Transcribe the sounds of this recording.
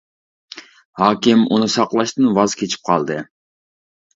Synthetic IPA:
hɑːkʲɪmṵnɨsɑqlˠɑʃt̪ɨnwɑzkʲʰet͡ʃʰi̥p̚qʰɑ̰lˠd̪ɨ

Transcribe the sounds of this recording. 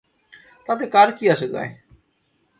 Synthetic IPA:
t̪at̪ekaɾkiaʃed͡ʑa̰e

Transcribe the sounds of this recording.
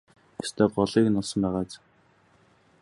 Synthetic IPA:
est̪ʰeːɢɔɮiːknɔɮsɞ̆mpæːʁaːt͡s

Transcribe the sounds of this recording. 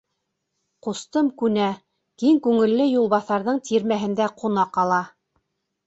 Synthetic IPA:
qŏst̪ɤmkʉnæ | kiŋkʉŋɘ̆lːɘjulˠβɑθɑɾðɤɴt̪iɾmæɦɘ̆nd̪æqʰŏnɑqɑlˠɑ

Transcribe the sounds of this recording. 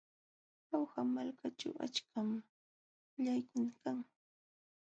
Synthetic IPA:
awhamalkat͡ʃa̰wa̰t͡ʃkʰam | ʎajkʊnakaŋ

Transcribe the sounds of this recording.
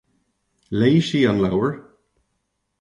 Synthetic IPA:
leɪʃiːə̃nlawəɹ

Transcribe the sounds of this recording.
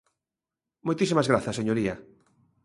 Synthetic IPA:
mojt̪isimɐzɣɾaθɐseɲoɾiɐ

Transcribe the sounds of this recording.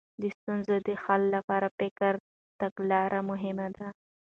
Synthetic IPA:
d̪əst̪unzod̪əxallapɑːɾapɪkaɾ | t̪aɡlɑɾʔamʊɦɪmad̪a

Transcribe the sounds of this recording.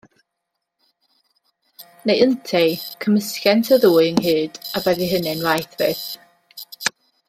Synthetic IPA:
nejəntʰɛkʰəməskjɛntʰəðuːɨənhɨːd̥abɛðiɦənɨnrajθvɨːθ

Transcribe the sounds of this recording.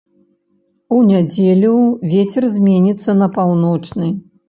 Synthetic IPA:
unʲad͡zʲelʲuvʲet͡sʲɛrzʲmʲenʲit̪sːɐnɐpawnɔt͡ʂnɨ

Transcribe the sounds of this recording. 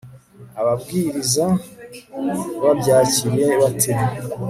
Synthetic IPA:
aβabɡiːɾiza | βabɟaːciɾje̞βatʰeɾi

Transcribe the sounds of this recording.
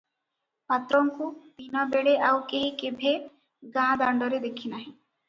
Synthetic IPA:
mat̪ɾɔŋkut̪inɔbeɭeʔawkeɦikebʱe | ɡãd̪aɳɖɔɾed̪ekʰinaɦĩ

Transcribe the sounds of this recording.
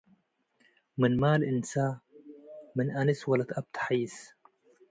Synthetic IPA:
mɪnmaːlʔɪnsaː | mɪnʔanɪswalat̪ʔab̚t̪ħaːs

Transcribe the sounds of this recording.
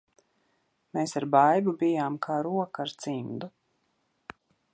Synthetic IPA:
meːsaɾbajbubijaːmkʰaːɾuɔkaɾt̪simd̪u

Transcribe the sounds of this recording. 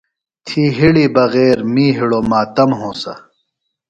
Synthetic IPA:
t̪ʰiːɦiɽiːbɐɣeːɾmiːɦiɽoːmaːt̪ɐmɦõːsɐ̰

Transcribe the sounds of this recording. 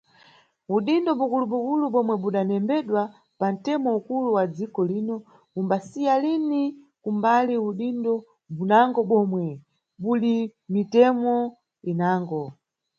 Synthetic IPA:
uɗindɔɓukuluɓukuluɓɔmwɛɓuɗanɛmbɛɗwa | pan̩tɛmɔukuluwad͡zikɔliːnɔ | umbasijalini | kumbaliuɗindɔ | bunaŋɡɔɓɔmwɛ | ɓuɗimitɛmɔ | inaːŋɡɔ

